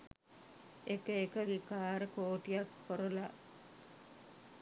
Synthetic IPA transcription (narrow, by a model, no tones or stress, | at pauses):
ekəekəʋikaːɾəkoːʈijakpoɾola